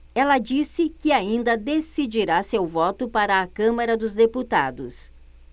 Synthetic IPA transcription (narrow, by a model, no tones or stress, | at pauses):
ɛlɐd͡ʒisɪkɪaĩnd̪ɐd̪esid͡ʒiɾasewvɔt̪ʊpaɾɐːkɐ̃mɐɾɐd̪ʊzd̪eput̪a̰d̪ʊs